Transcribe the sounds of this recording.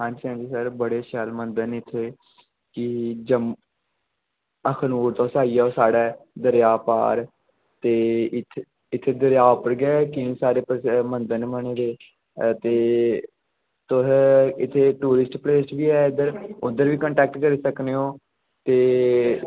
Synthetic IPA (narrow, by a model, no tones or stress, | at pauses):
ɦãːɲd͡ʒiːɦãːd͡ʒiːsəɾbəɽeːʃɛlmənd̪ənɪt̪ʰːeː | kɪd͡ʒəm | əkʰnuːɾt̪õːsaːiːaosaːɽɛːd̪əɾjaːpa̰ːɾ | t̪eːɪ | ɪt̪ʰːeːd̪əɾjaːʊpəɾɡɛːkɪĩːsaːɾeːpɾmənd̪ənːməneːd̪eː | t̪eː | t̪ʊsɪt̪ʰːeːʈuːɾɪsʈpleːsʈbiːɛːɪd̪əɾʊd̪əɾʋiːkəɳʈɛːk̚ʈkəɾiːsəkneːõː | t̪eː